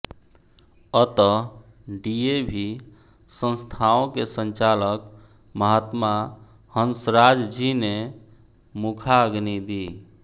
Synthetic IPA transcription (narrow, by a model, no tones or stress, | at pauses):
ət̪ə | ɖiebʱi | sə̃nst̪ʰaõkesə̃nt͡ʃalək | məɦat̪ma | hənsɾad͡ʒd͡ʒine | mukʰaəɡnid̪i